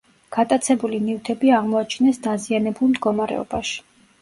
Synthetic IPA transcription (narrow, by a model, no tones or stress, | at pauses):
ɡ̥at̪ʼat̪sʰɛbulinivt̪ʰɛbiaʁmɔat͡ʃʰinɛsd̪azianɛbulˠmd̪̚ɡɔmaɾɛ̰ɔ̰b̥aʃi̥